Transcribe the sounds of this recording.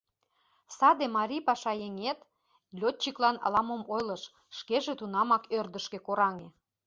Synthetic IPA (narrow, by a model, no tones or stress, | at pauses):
sɑd̪emɑɾʲipɑʃɑjeŋet̪ | lʲot̪̚t͡ɕiklɑnɑ̰lɑmomojlə̆ʃ | ʃkeʒĕt̪unɑmɑkørd̪ə̆ʃkĕkoɾɑŋe